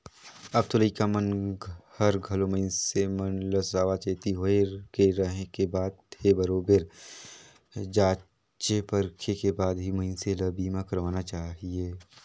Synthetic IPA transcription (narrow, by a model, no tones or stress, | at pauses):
əb̚t̪oləikamənhəɾɡʱəloməɪnsemənləsaːʋat͡ʃeːt̪iɦoekeɾəɦekebaːd̪̚ʰebəɾoːbeɾ | d͡ʒaː | t͡ʃepəɾkʰekebaːd̪ɦiməɪnseləbiːmãkəɾʋaːnat͡ʃaːɦieː